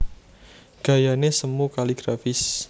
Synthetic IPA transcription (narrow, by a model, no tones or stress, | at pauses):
ɡ̥a̤janesəmukaliɡ̥ɾafɪs